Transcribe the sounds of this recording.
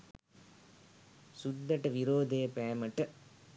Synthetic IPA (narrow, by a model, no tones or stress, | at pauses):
sud̪ːɐʈɐʋiɾoːd̪ejpæːmɐʈɐ